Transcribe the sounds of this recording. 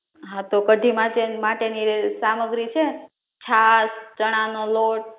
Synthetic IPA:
ɦãt̪okəɖʱimãʈemaʈenisaməɡɾit͡ʃʰe | t͡ʃʰast͡ʃəɽ̃anoloʈ̚

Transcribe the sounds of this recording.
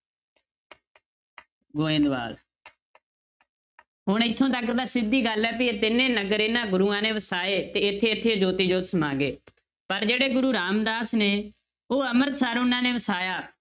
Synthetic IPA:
ɡoːẽːnd̪ʋa̰ːl | ɦʊɳɪt̪ʰːõːt̪əkd̪aːsɪd̪ːiːɡəlɛːp̬ɪt̪ɪnẽːnəɡəɾeːnãːɡʊɾuːãːneːʋəsaːeːt̪eːɪt̪ʰːeːɪt̪ʰːeːd͡ʒoːt̪iːd͡ʒoːt̪səmaːɡeː | pəɾd͡ʒeːɽeːɡʊɾuːɾaːmd̪aːsneː | oːəməɾsaːɾʊnãːneːʋəsaːjaː

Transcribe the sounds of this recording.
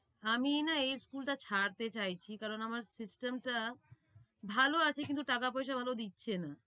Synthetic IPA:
aminaejskulʈat͡ɕʰaɽt̪et͡ɕajt͡ɕʰikaɾonamaɾsisʈemʈa | bʱaloat͡ɕʰekint̪uʈakapojʃabʱalod̪itːɕʰena

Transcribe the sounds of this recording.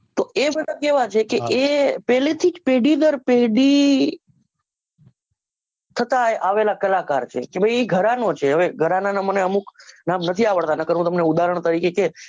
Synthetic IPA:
t̪oʔebəd̪ʱakeʋat͡ʃʰekeʔepɛlet̪ʰid͡ʒpeɽid̪əɾpeɽi | t̪ʰət̪ajʔaʋelakəlakaɾt͡ʃʰekebʱəjiɡʱəɾanot͡ʃʰeɦəʋeɡʱəɾananaməneəmuknamnət̪ʰiaʋəɭt̪anəkəɾʋũt̪əmneud̪aɾəɳ̃t̪əɾikeke

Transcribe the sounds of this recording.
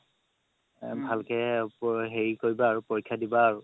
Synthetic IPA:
bʱalkɛpɦeɹikoɹibaːɹupoɹikʰːjadibaːɹu

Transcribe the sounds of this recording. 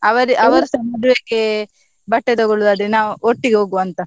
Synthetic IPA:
ɐʋɐɾiʔɐʋɐɾɐsɐmɐɖuʋekːe | bɐʈːet̪ɔɡɔɭud̪aːd̪ɾinaːʋuoʈːiɡeɦoːɡuʋɐnt̪ɐ

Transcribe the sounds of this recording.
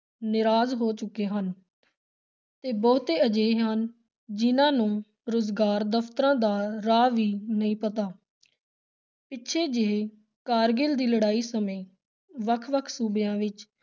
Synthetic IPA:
nɪɾaːzɦoːt͡ʃʊkːeːɦən | t̪eːbɔːt̪eːəd͡ʒeːɦən | d͡ʒɪnãːnũː | ɾoːzɡaːɾd̪əfʰt̪əɾãːd̪aːɾaːʋiːnəĩːpət̪aː | pɪtːʃʰeːd͡ʒeː | kaːɾɡɪld̪iːləɽaːiːsəmẽː | ʋəkʰʋəkʰsuːbejãːʋɪt͡ʃ

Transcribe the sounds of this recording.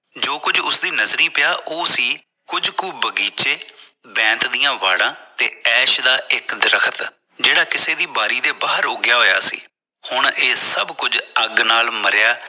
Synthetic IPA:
d͡ʒoːkʊd͡ʒʊsd̪iːnəzɾiːpɪjaːʔoːsiː | kʊd͡ʒkuːbəɡiːt͡ʃeː | bɛ̃ːnt̪d̪ijãːʋa̰ːɽãːt̪eːɛːʃd̪aːɪkd̪əɾəkʰət̪ | d͡ʒeːɽaːkɪseːd̪iːbaːɾiːd̪eːbaːɦəɾʊɡɪjaːɦoːja̰ːsḭː | hʊɳeːsəbkʊd͡ʒəɡnaːlməɾɪjaː

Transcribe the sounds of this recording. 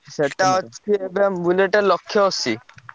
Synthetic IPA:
ʃeʈaɔiebembuleʈeɾlokʰːjoosi

